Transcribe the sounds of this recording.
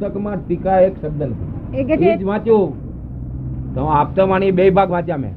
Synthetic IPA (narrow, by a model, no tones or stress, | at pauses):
əkmãʈ̪ikaeksəbd̪ənt̪ | ekid͡ʒʋãt͡ʃo | t̪əmãap̚t̪əmaɳ̃ibeibʱaɡʋ̤ãt͡ʃamḛ̃